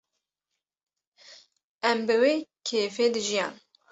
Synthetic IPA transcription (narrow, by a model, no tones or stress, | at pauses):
ɛmbɨweːkʰeːfeːd̪ɨʒijɑːn